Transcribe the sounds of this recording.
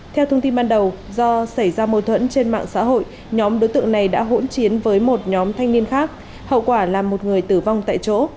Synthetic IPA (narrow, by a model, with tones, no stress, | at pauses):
t̪ʰɛ˧wt̪ʰə˧wŋ͡mt̪i˧nɓaː˧nɗə˨˩w | zɔ˧sa˧˩jzaː˧mo˧˩t̪ʰwə̰˧˥nt͡ɕe˧nma̰ː˧˨ŋsa̰ː˧˥ɦo̰˧˨j | ɲɔ˨˦mɗo˨˦jt̪ɨ̰˧˨əŋna˨˩jɗa̰ː˧˥ɦo̰˧˥nt͡ɕi˨˦ənvəː˨˦jmo˨˩t̚ɲɔ˨˦mt̪ʰa˧jŋni˧ənxaː˦˥k̚ | hə̰˧˨wkwaː˧˩laː˨˩mːo˨˩t̚ŋɨ˨˩əjt̪ɨ˧˩va˧wŋ͡mt̪a̰ː˧˨jt͡ɕo̰˧˥